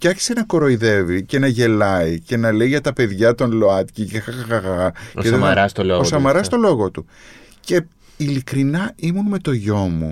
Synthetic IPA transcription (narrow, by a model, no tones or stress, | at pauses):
fcɐçi̥senɐko̞ɾo̞iðe̞vice̞nɐʝe̞lɐice̞nɐle̞iʝɐt̪ɐpe̞ðʝɐt̪o̞nlo̞ɐt̪cicexɐxɐxɐɣɐɐeðeɐɾɐst̪oloosɐmɐɾɐst̪o̞lo̞ɣo̞t̪u | ce̞ | ilikɾinɐimunme̞t̪o̞ʝo̞mṵ